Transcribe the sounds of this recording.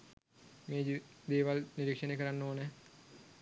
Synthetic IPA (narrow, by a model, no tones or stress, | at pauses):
meːd͡ʒid̪eːʋalniɾikʂənekəɾanːoːnə